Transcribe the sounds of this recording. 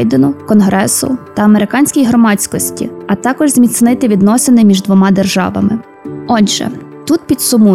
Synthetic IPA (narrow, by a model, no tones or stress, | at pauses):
jd̪enʊkɔnɦɾɛsʊ̰t̪ɐɐmeɾɪkɑnʲsʲkʲijɦɾɔmɑt͡sʲkɔsʲtʲḭɐt̪ɑkɔʒzʲmʲit̪snɪt̪ɪʋʲid̪nɔsenɪmʲiʒd̪ʋɔmɑd̪erʒɑ̰ʋɐ̰mɪ̰ | ɔdʒɛ̰t̪ut̪̚pʲid̪sʊmu